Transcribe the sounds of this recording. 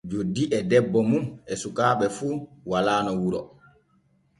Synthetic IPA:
d͡ʒodːiʔɛdɛbːɔmumɛsukaːɓɛfuːwalaːnɔwuɾɔ

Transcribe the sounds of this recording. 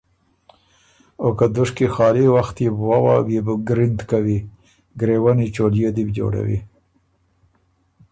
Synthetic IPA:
okad̪ʊʂkixɑːliwaxt̪jebwawɑ̰bjebəɡɾɪnd̪kawi | ɡɾewanit͡ʃoljed̪ibd͡ʒo̰ɽa̰wḭ

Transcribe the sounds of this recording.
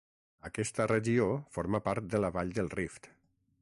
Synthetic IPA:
əkɛst̪ərəʒiofoɾməpaɾt̪̚d̪ələβaʎd̪əlˠrift̪

